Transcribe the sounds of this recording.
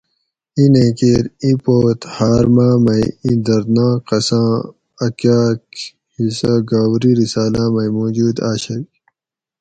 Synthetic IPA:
inẽːkeːɾĩpoːt̪haːɾmaːmɐjĩd̪ɐɾd̪nãːkɐsãː | ɐkaːk | hisaɡaːwɾiɾisaːlãːmɐjmoːd͡ʑuːd̪aːɕɐk

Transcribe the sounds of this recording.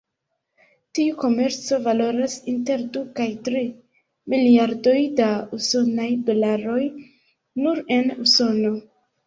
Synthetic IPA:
tiuko̞me̞ɾt͡so̞valo̞ɾasinte̞ɾdukajtɾi | miliaɾdo̞jdauso̞najdo̞laɾo̞j | nuɾe̞nuso̞no̞

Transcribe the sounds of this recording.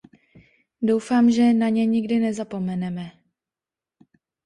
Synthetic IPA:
dowfaːmʒɛnaɲɛɲɪɡdɪnɛzapo̞mɛnɛmɛ

